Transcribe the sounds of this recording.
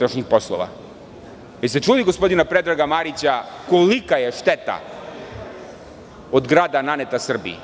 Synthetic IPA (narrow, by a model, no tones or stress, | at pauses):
ɾaʃɲixpo̞slˠo̰ʋa̰ | jise̞t͡ʂuːd̪iɡo̞spo̞d̪inapɾed̪ɾaɡamaɾit͡ɕako̞likaje̞ʃt̪et̪a̰ | od̪ɡɾaːd̪ananet̪asr̩bḭḭ